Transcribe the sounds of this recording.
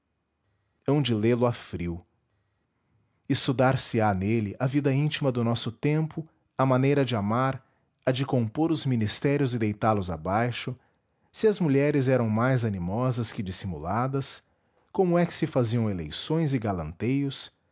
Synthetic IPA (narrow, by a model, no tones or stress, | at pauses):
ɛũd͡ʒɪlelʊafɾiw | ɪst̪ud̪aɾsɪanelɪʔɐvid̪ɐĩt͡ʃimɐd̪ʊnɔsʊt̪ẽmpʊ | ɐmãnejɾɐd͡ʒɪamaɾ | ɐd͡ʒɪkõpoɾʊzmĩnist̪ɛɾjʊzɪd̪ejt̪aɾlʊza̰bajʃʊ | sɪɐzmuʎɛɾɪzɛɾɐ̃w̃majzɐnimɔzɐskɪd͡ʒisimṵlad̪ɐs | kõmʊɛkɪ̥sɪfaziɐ̃w̃elḛjsõj̃zɪɡalɐ̰̃nt̪ejʊs